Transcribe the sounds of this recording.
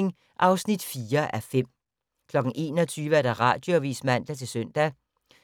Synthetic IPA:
ŋ | ʔɑ̈ʊsnid̥fiːɐʔæfem̰ | kʰlɒ̽ɡ̥n̩ʔe̝̰ːnɒt͡sʰyːʋəæɐd̥æʁɑ̰̈ːd̥jo̝ʋḭːsmæn̰d̥æt͡sʰe̝lsøn̰d̥æ

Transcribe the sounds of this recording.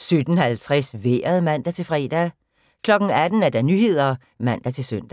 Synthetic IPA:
sød̥n̩hælt͡sʰʁɛsʋeːɐð̩ˠmæn̰d̥æt͡sʰe̝lfʁɛːd̥æ | kʰlɒ̽ɡ̥n̩æd̥n̩æɐd̥ænyhe̝ð̞̰ˠɐ | mæn̰d̥æt͡sʰe̝lsøn̰d̥æ

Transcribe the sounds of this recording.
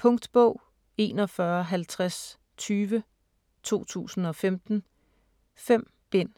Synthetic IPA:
pʰɔ̽ŋd̥b̥ɔʊ̰ | e̝ːnɒ̽fɶɐɦælt͡sʰʁas | t͡sʰyːʋə | t͡sʰo̝̰ːt͡sʰṵːsn̩ɒ̽femd̥n̩ | fem̰ | b̥e̝n̰

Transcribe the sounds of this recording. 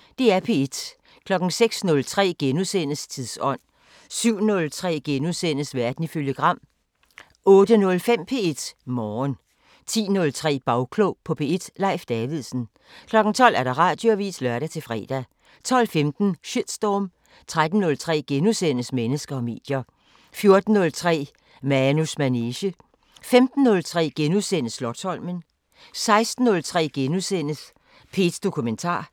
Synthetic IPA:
d̥e̝æɐpʰe̝ed̥ | kʰlɒ̽ɡ̥n̩seɡ̥snɔ̽lt͡sʰʁɛ̰ːɡ̥enusen̰əst͡sʰiðˠsɒ̽n̰ | syʊ̰nɔ̽lt͡sʰʁɛ̰ːɡ̥enusen̰əsʋæɐd̥n̩iføljəɡ̥ʁɑ̈m̰ | ɔ̽ːd̥ənɔ̽lfem̰pʰe̝e̝d̥mɒːn | t͡sʰḭːnɔ̽lt͡sʰʁɛ̰ːb̥ɑ̈ʊkʰloʊpʰɒ̽pʰe̝e̝d̥lɑ̈ɪfd̥ɛʋiðˠsn̩ | kʰlɒ̽ɡ̥n̩t͡sʰɒ̽l̰æɐɾ̥ɑ̈ʁɑ̈ːd̥joæʋḭːslɶɐɾæt͡sʰe̝lfʁɛ̰ːd̥æ | t͡sʰɒ̽l̰femd̥n̩ɕid̥sd̥ɒːm | t͡sʰʁad̥n̩ːɔ̽lt͡sʰʁɛ̰ːɡ̥enusenəsmenəsɡ̥ɐɒ̽me̝̰ːd̥jɐ | fjo̝ɐd̥n̩ːɔ̽lt͡sʰʁɛ̰ː | mænusmæneːɕə | femd̥n̩ːɔ̽lt͡sʰʁɛ̰ːɡ̥enusenəslɒ̽d̥shɒ̽l̰mən | sɑ̈ɪsd̥n̩ːɔ̽lt͡sʰʁɛ̰ːɡ̥enusen̰əs | pʰe̝̰ːd̥sd̥o̝kʰument͡sʰɑ̰̈ː

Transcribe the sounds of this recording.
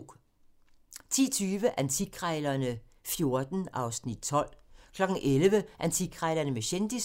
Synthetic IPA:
t͡sʰḭːɐt͡sʰyːʋəʔænt͡sʰiɡ̥ʰʁɛɪlɐnə | fjo̝ɐd̥n̩ʔɑ̈ʊsnid̥̚t͡sʰɒ̽l̰kʰlɒ̽ɡ̥n̩ʔelʋəʔænt͡sʰiɡ̥ʰʁɛɪlɐnəmeɕend̥is

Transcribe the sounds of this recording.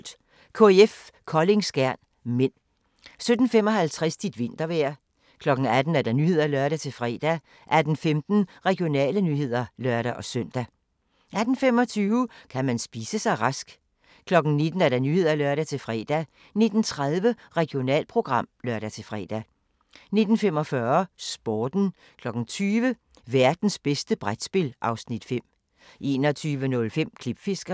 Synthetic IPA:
d̥ | kʰo̝eefkʰɒ̽le̝ŋsɡ̥æɐ̰n | men̰ | sød̥n̩fem̰ɒ̽ɦælt͡sʰʁɛsd̥id̥ʋe̝n̰d̥ɐʋæɐ̰ | kʰlɒ̽ɡ̥n̩æd̥n̩æɐd̥ɑ̈nyhe̝ð̞̰ˠɐlœɐɾ̥æt͡sʰe̝lfʁɛ̰ːd̥æ | ʔæd̥n̩femd̥n̩ʁɛɡ̥jo̝nɛ̰ːlənyːhe̝ð̞̰ˠɐlœɐ̰ɾ̥æʔɒ̽søn̰d̥æ | ʔæd̥n̩fem̰ɒ̽t͡sʰyːʊəkʰæmænsb̥iːsəsɑ̈ɪʁɑ̈sɡ̥ | kʰlɒ̽ɡ̥n̩ne̝d̥n̩æɐɾ̥ɑnyːhe̝ð̞̰ˠælɶɐ̰ɾæt͡sʰe̝lfʁɛ̰ːd̥æ | ne̝d̥n̩t͡sʰʁað̞ˠʋə | ʁɛɡ̥jo̝nɛ̰ːlpʰʁo̝ɡ̥ʁɑ̈m̰lɶɐɾ̥æt͡sʰe̝fʁɛ̰ːd̥æ | ne̝d̥n̩fem̰ɒ̽fɶɐsb̥ɒːd̥n̩ | kʰlɒ̽ɡ̥n̩t͡sʰyːʋə | ʋæɐd̥n̩sb̥esd̥əb̥ʁad̥sb̥e̝lʔɑ̈ʊsnid̥fem̰ | ʔe̝ːnɒ̽t͡sʰyːʋənɔ̽lfem̰kʰlib̥fe̝sɡ̥ɐ

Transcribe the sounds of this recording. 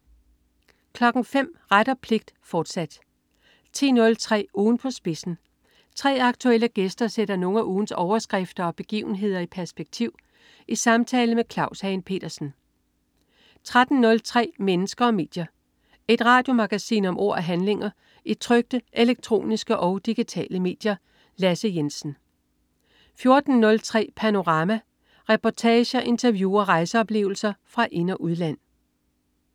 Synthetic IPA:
kʰlɒ̽ɡ̥n̩fem̰ʁaɾ̥ɐpʰle̝ɡ̥̚d̥fɒːd̥sæd̥ | t͡sʰe̝̰ːnɔ̽lt͡sʰʁɛ̰ːuːn̩pʰɒ̽sb̥e̝sn̩ | t͡sʰʁɛ̰ːɑ̈ɡ̥t͡sʰuel̰əɡ̥esd̥ɐseɾ̥ɐno̝ŋæʔuːn̩sɒʊɐsɡ̥ʁɛfd̥ɐɒ̽b̥e̝ɡ̥ḭːʊn̩ɦe̝ð̞̰ˠɐipʰæɐsb̥eɡ̥̚t͡sʰiʊ̰ | ʔisɑ̈mt͡sʰɛːləmekʰlɑ̈ʊshɛɪnpʰe̝̰ːd̥ɐsn̩ | t͡sʰʁad̥n̩nɔ̽lt͡sʰʁɛ̰ːmenəsɡ̥ɐɒ̽me̝̰ːd̥jɐ | e̝d̥ʁɑ̰̈ːd̥jo̝mɑ̈ɡ̥æsḭːnɒ̽mʔo̝̰ɐ̰æɦænle̝ŋɐ | it͡sʰʁœɡ̥̚d̥əʔeleɡ̥̚t͡sʰʁo̝̰ːnisɡ̥əʔɒ̽ʊd̥iɡ̥it͡sʰɛ̰ːləme̝̰ːd̥jɐ | læsəjensn̩ | fjo̝ɐd̥n̩nɔ̽lt͡sʰʁɛ̰ːpʰæno̝ʁɑ̈mæ | ʁɛpʰɒt͡sʰɛːɕəɐʔe̝nt͡sʰɐʋjṵːɐɒʁɑ̈ɪsəɒ̽b̥le̝ːʊl̩sɐfʁɑ̈ʔe̝nɐʔuðˠlæn̰

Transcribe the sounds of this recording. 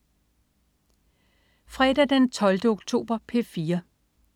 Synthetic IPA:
fʁɛd̥æd̥ent͡sʰɒ̽ld̥əo̝ɡ̥t͡sʰo̝̰ːb̥ɐpʰe̝fiːɐ

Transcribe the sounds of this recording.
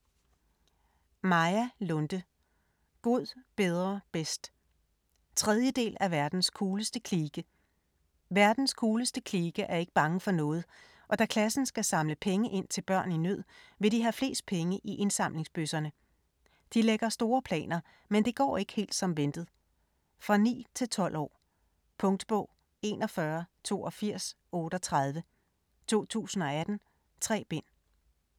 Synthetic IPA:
mɑ̈ɪælɔ̽nd̥ə | ɡ̥o̝ð̞̰ˠb̥eð̞ˠʁɐb̥esd̥ | t͡sʰʁɛðˠjəd̥e̝̰ːlæʋæɐd̥n̩skʰuːləsd̥əkʰliːɡ̥ə | ʋæɐd̥n̩skʰuːləsd̥əkʰliːɡ̥əʔæɐe̝ɡ̥əb̥ɑ̈ŋəfɒ̽nɔ̽ːð̞̩ˠ | ʔɒ̽d̥ækʰlæsn̩sɡ̥æsɑ̈mləpʰeŋəʔe̝n̰t͡sʰe̝lb̥ɶɐ̰ninøð̞̰ˠ | ʋe̝ɾiɦæfle̝̰ːsd̥̚pʰeŋəʔiʔe̝nsɑ̈m̰le̝ŋsb̥øsɐnə | d̥ileɡ̥ɐsd̥o̝ːɐpʰlɛ̰ːnɐ | mend̥e̝ɡ̥ɒ̰ːe̝ɡ̥ə̥he̝̰ːld̥sɒ̽mʋend̥ð̩ˠ | fʁɑ̈nḭːt͡sʰe̝lt͡sʰɒ̽l̰ɒ̰ː | pʰɔ̽ŋd̥b̥ɔ̰̽ʊ̰ | e̝ːnɒ̽fɶːɐt͡sʰo̝̰ːɒ̽fiɐ̰s | ɔ̽ːɾ̥ɒt͡sʰʁað̞ˠʋə | t͡sʰo̝̰ːt͡sʰṵːsn̩ɒ̽æd̥n̩ | t͡sʰʁɛ̰ːb̥e̝n̰

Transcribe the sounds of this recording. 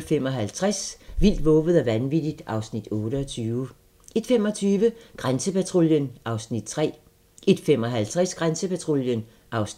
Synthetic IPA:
fem̰ɒ̽ɦælt͡sʰʁasʋil̰d̥ʋɔ̽ːʋð̞̩ˠæʋænʋid̥id̥ʔɑ̈ʊsnid̥ɔ̽ːɾəɒt͡sʰyːʊ | ʔe̝d̥fem̰ɒ̽t͡sʰyːʋəɡ̥ʁansəpæt͡sʰʁoljənʔɑ̈ʊsnid̥̚t͡sʰʁɛ̰ː | ʔe̝d̥fem̰ɒ̽ɦælt͡sʰʁasɡ̥ʁansəpæt͡sʰʁo̝ljən | ʔɑ̈ʊs

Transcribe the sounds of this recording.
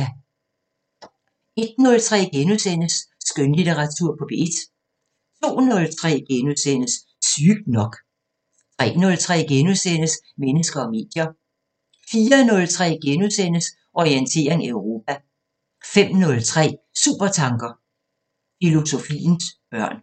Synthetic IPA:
e̝d̥nɔ̽lt͡sʰʁɛ̰ːɡ̥enuðˠsen̰əsːɡ̥ønlit͡seʁɑ̈t͡sʰuɐ̰pʰɒ̽b̥e̝ed̥ | t͡sʰo̝̰ːnɔ̽lt͡sʰʁɛ̰ːɡ̥enuðˠsen̰əsː | yɡ̥̚nɒ̽ɡ̥ | t͡sʰʁɛ̰ːnɔ̽lt͡sʰʁɛ̰ːɡ̥enusenəs | menəsɡ̥ɐɒ̽me̝̰ːd̥jɐ | fiːɐnɔ̽lt͡sʰʁɛ̰ːɡ̥enuðˠsen̰əs | ʔɒient͡sʰe̝̰ːɐ̰e̝ŋæeʊʁo̝ːp̚ʰæ | fem̰nɔ̽lt͡sʰʁɛ̰ːsṵːb̥ɐt͡sʰɑ̈ŋɡ̥ɐ | filo̝so̝fḭːnsb̥ɶɐ̰n

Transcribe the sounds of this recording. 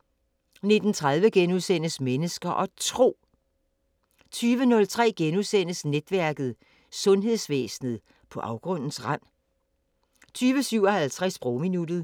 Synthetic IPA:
ne̝d̥n̩t͡sʰʁɑ̈ð̞ˠʋəɡ̥enuðˠsen̰əsmenəsɡ̥ɐʔɒ̽t͡sʰʁo̝̰ː | t͡sʰyːʋənɔ̽lt͡sʰʁɛ̰ːɡ̥enuðˠsen̰əsned̥ʋæɐɡ̥ð̞̩ˠ | sɔ̽nɦe̝ðˠsʋḛːsn̩ð̞̩ˠ | pʰɒ̽ʔɑ̈ʊɡ̥ʁɔ̽n̰n̩sʁan̰ | t͡sʰyːʋəsyʊ̰ɒ̽hælt͡sʰʁɛsb̥ʁominud̥ð̩ˠ

